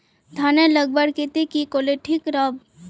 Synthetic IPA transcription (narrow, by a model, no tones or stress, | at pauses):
d̪ʱaːneləɡ̚bəɽket̪ekikoleʈʰikɾab